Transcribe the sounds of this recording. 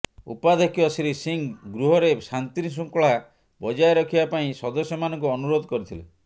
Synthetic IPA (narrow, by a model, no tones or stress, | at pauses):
ṵpad̪ʱekijɔsiɾisiŋɡɾuɦɔɾesant̪inis̬uŋkɔɭa | bɔd͡ʒaeɾɔkʰibapaĩsɔd̪ɔsjɔmanɔ̃ŋk̬uɔnuɾod̪ɔkɔɾit̪ʰile